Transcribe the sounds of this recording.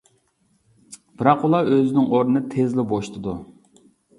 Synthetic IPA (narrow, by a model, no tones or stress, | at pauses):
b̥ɨɾɑqulˠɑøzɪnɪŋoɾnɨnɨt̪ʰezlɪboʃt̪ʰɨd̪u